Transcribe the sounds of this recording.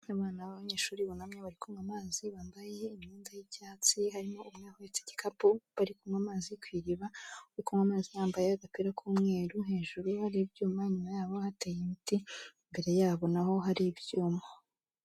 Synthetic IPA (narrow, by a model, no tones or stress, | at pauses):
aβaːnaβaβaɲeːʃuːɾiβunamɲeβaɾikuŋamaːziβaːmbaje̞imɲuːndajicaːt͡siɦaɾimo̞umŋahuet͡se̥ci̥kapuβaɾikumŋamaːzikwiːɾiβaβaɾikumŋamaːzinaːmbajeaɡakwiɾakʰuːmŋe̞ːɾuɦe̞ːʒuɾuhaɾibjuːmaɲumajaːβo̞hateːjimitimbe̞ɾe̞jaːβo̞naho̞ɦaɾibjuːma